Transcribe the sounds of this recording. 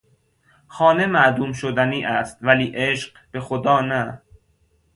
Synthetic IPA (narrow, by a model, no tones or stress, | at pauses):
xɒːne̞mæʔd̪uːmʃod̪æniːʔæst̪væliːʔeʃɢ | b̥e̞xod̪ɒːnæ